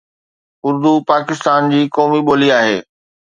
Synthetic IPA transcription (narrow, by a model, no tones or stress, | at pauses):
ʊɾd̪upaːkɪst̪aːnd͡ʑiːkɔːmiɓoːliaːɦeː